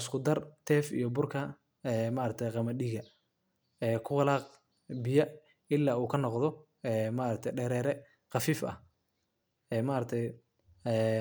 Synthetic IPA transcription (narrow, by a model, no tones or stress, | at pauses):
ɪskʰʊd̪ɐrt̪ʰɛːfḭjɔbʊrkʰɐ | ɛːmaːɾɐk̚t̪ʰɛjqɑmɐɗiɣɐ | ɛːkʰʊwɑlaːq | bɪjɐ | ɪlːaːuːkʰɐnɔqðɔ | ɛːmaːɾɐk̚t̪ʰɛjɖɛːɾɛːɾɛ | qɑfiːfɐ̰h | ɛːmaːɾɐk̚t̪ʰɛj | ɛ